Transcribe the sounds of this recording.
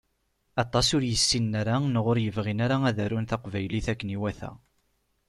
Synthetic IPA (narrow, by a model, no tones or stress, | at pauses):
ɑt̪ˤːɑsʊɾjəsːinːaɾanəʁʊɾjəvʁinaɾaæðæɾunθɑqvæjliθækːəniwæθæ̰